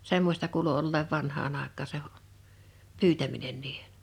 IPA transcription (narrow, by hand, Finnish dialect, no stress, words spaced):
semːosʲtɑ kuːlu olːeːʋ ʋɑnhɑːn ɑˑekˑɑː se pyːtæminen niːhe̥